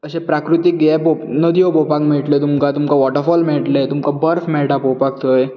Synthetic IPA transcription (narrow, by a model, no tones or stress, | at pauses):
əɕẽpɾakɾit̪ik̚ɡeponəd̪ʱiopopakmeɭʈlet̪umkat̪umkaʋɔʈəɾfɔlmeɭʈlet̪umkabəɾfmɛɭʈapopak̚t̪ʰoe